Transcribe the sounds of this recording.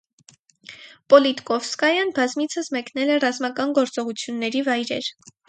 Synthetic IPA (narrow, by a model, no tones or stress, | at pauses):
pɔlit̪kɔfskɑjɑnbɑzmit͡sʰəsmɛknɛlɛrɑzmɑkɑnɡɔɾt͡sɔʁut͡sʰjunːɛɾivɑjɾɛ̰ɾ